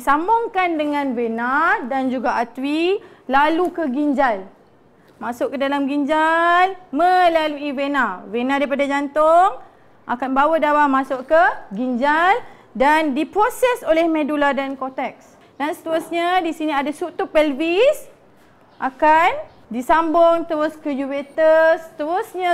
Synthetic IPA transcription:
disambʊŋkandəŋãnvenadand͡ʒuɡaat̪wilalukəɡind͡ʒal | mãsʊʔkədalamɡiɲd͡ʒalməlaluivenãvenãdaipadad͡ʒant̪ʊŋ | ʔa̰kanbawədawamasʊʔkəɡind͡ʒal | dandipɾosɛsolɛhmẽduladankot̪ɛk̚s | dansə̥t̪əɾusɲadisiniadasut̪upɛlvis | ʔakan | disambʊŋt̪əɾʊskəjuwet̪əst̪əɾʊsɲã

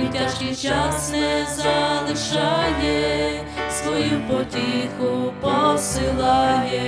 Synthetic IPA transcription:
tʲaʃkɪjt͡ʃasnɛzɐlˠɪʃɑjɛ | sʋɔjupɔtʲixʊpɔsɪlˠɑjɛ

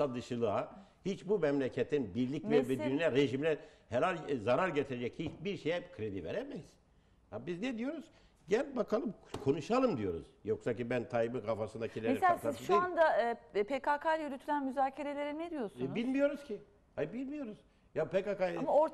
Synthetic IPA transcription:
sad̪ɯʃɯlˠɯahit͡ʃbumɛmlʲecʰɛt̪ʰːinbiɾlʲicvɛvɛd̪ynynɛɾeʒimlʲɛ | hɛɾalʲzaɾaɾɟet̪ʰiɾed͡ʒɛchit͡ʃbiɾʃejɛkʰɾe̞d̪ivḛɾɛmɛz̥ | abizned̪ijo̞ɾuz̥ | ɟɛnbakʰalˠɯmkʰo̞nuʃalˠɯmd̪ijo̞ɾṵzjo̞ksacibænt̪ʰajmɯkafasɯnd̪acʰilʲemeɾselasaizʃuand̪apʰekʰakʰalyɾyt̪ʰylʲænmyzaːcʰe̞ɾe̞lʲe̞ɾined̪ijo̞snbilʲmijo̞ɾuz̥cʰi | habilʲmijo̞ɾuz̥ | japʰekakajamaoɾ

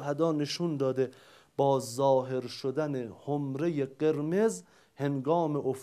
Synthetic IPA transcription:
hæd̪ɒːneʃund̪ɒːd̪e | b̥ɒːzɒːɦe̞ɾʃod̪ænehomɾe̞jeɢeɾmez | he̞ŋɡɒːmeʔof

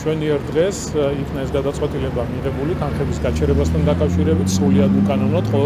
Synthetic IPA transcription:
t͡ʃʰwɛniɛɾd̪ʁɛs | ikʰnaɛsɡad̪at̪sʼwɛt̪ʼilɛbamiʁɛbulit̪ʰanχɛbisɡat͡ʃʰɛɾɛbast̪ʰand̪akʼafʃiɾɛbit̪ʰsɾuliad̪ukʼanɔnɔd̪̥χʼɔ

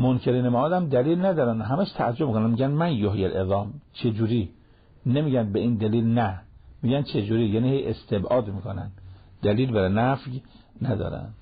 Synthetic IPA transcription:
monkʰeɾiːnemæʔɒːd̪æmd̪æliːlnæd̪ɒːɾænɦæmæʃt̪ʰææd͡ʒobmikonænmiɡænmænjoɦjelʔeðɑːmt͡ʃʰed͡ʒuːɾiː | nemiːɡæn̚beiːnd̪æliːlnæmiːɡænt͡ʃʰed͡ʒuːɾiːjæːnihejʔest̪ʰebʔɒːd̪miːkʰonæ̰nd̪d̪æliːlbæɾenæfj | næd̪ɒ̰ːɾæ̰nd̪̥

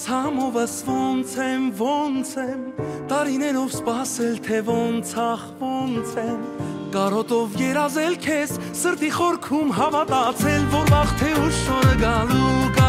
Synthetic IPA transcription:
t͡sʰɑmɔvəsvɔnt͡sʰɛmvɔnt͡sʰɛmt̪ɑɾinɛɾɔvspɑsɛlt̪ʰɛvɔnt͡sʰɑχvɔnt͡sʰɛmkɑɾɔt̪ɔvjɛɾɑzɛlkʰɛs | səɾt̪iχɔɾkʰumɦɑvɑt̪ɑt͡sʰɛlvɔɾbɑχt̪ʰɛuʃɔɾəɡɑlukɑ

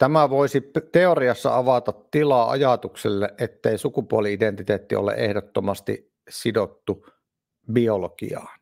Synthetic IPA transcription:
t̪æmæʋoˑisit̪eoriɑsːɑ̰ɑʋɑt̪ɑt̪t̪ilɑːɑ̰jɑt̪ukselːeʔʔet̪ːeisukupuoliident̪it̪eːt̪ːio̰lḛʔehdot̪ːomɑst̪ḭ | sidot̪ːu | biolokḭɑːn

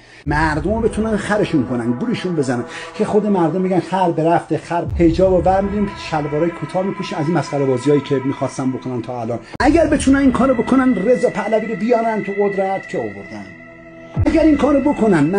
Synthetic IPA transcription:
mæɾd̪ombe̞t̪ʰunænxæɾeʃunkʰonænd̪̚ɡuɾeʃunbe̞zænænkʰexo̞d̪e̞mæɾd̪omːiɟænxæɾbeɾæft̪exæɾhe̞d͡ʒɒːbovæɾmid̪imʃælvɒːɾɒːjikʰot̪ʰɒːmiːpʰuʃiːmæziːnmæsχæɾebɒːzijɒːjiːcʰemiːxɒːst̪ænbokʰonænt̪ʰɒːælɒːnʔæɟæɾbe̞t̪ʰunæninkʰɒːɾobo̞kʰonænre̞zɒːpʰæʔlæbiːɾobijɒːnænd̪t̪ʰoɣod̪ɾæt̪ʰcʰeovoɾd̪æn | æɡæɾinkʰɒːɾobokʰo̞nænm

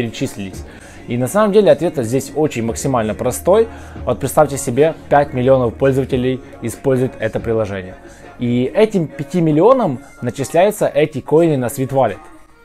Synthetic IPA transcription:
ɪɾʲɪt͡ɕisʲlʲɪlʲɪsʲ | inɐsaməmdʲelʲɪɐt̪vʲe̞t̪zʲdʲesʲot͡ɕɪnʲməksʲɪmalʲnəpɾɐst̪o̞j | vo̞t̪̚pɾʲɪt̪st̪aftʲɪsʲɪbʲe̞pʲætʲmʲɪlʲɪo̞nəfpo̞lʲzəvətʲɪlʲɪj | ɪspo̞lʲzʊjɪt̪ɛt̪əpɾʲɪlˠɐʐɛnʲɪjə | iɛtʲɪmpʲɪtʲimʲɪlʲɪo̞nəm | nət͡ɕɪsʲlʲæjʊt̪səʔɛtʲɪkojnɨnɐsvʲit̪valʲɪt̪

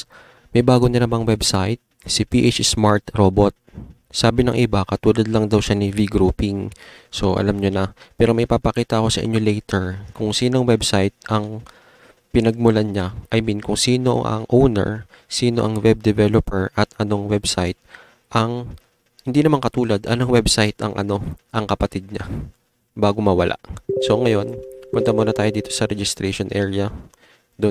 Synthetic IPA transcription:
mɐjbaːɡoɲɐnɐmaŋwɛbsajt̪̚ | sɪpiʔet͡ʃsmaɹt̪ɾoːbot̪̚ | saːbɪnɐŋʔɪbakɐt̪uːlɐd̪lɐŋd̪ɐwʃanɪviɡɾuːpɪŋso̞ʔɐ̰lamɲonɐpɛːɾo̞mɐjpapɐkiːt̪ɐʔɐko̞sɐʔɪ̰ɲːo̞lɛjt̪ɛɹkʊŋsiːnoŋwɛbsajt̪̚ʔɐŋ | pɪnɐɡ̚mʊlanɲaʔɐjminkʊŋsiːno̞̰ʔɐ̰ŋʔownɛ̰ɹ | siːno̞ʔɐŋwɛb̚d̪ɛvɛlopɛɹʔɐt̪ɐno̞ŋwɛbsajt̪̚ | ʔɐŋ | hɪnd̪inɐmaŋkɐt̪uːlɐd̪ʔɐ̰noŋwɛbsajt̪ɐ̰ŋʔɐ̰no̞ʔɐŋkɐpɐt̪id̪̚ɲa | baːɡomɐwɐlʔa̰ʔso̞ŋɐjo̞npʊnt̪ɐmonɐt̪aːjo̞d̪iːt̪o̞sɐɾɛd͡ʒɪst̪ɾɛʃonʔɛːɹɪɐ | d̪o

